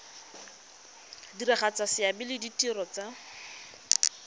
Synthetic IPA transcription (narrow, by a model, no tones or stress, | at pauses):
dirɪχat͡sasɪabɪlɪditʼirɔt͡sa